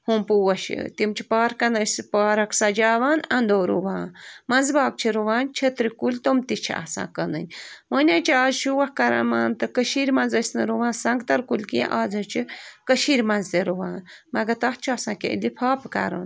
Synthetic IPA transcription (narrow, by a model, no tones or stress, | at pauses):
humpuwɐʃḭt̪imt͡ʃʰi̥paːɾkɐnɐspaːɾɐksɐd͡ʒaːʋaːnɐnd̪oːɾṵʋãːnmɐnzbaːk̚t͡ʃʰiɾuʋaːnt͡ʃʰɐt̪ɾikulʲt̪omt̪it͡ʃʰḭa̰sã̰ːkənɨ̰nʲmənʲaːt͡ʃʰiaːzʃuwɐhkɐɾɐ̰maːnt̪ɨkəʃiːɾʲmɐ̃nzəsʲnɨɾuʋãːnsɐŋɡt̪ɐɾkulkḭ̃ʔaːzɐt͡ʃʰikəʃiːɾʲmɐnzt̪eɾuʋãːnmɐɡɐt̪ɐht͡ʃʰasãːkḛḭlipʰaːpkɐ̰ɾɐ̰n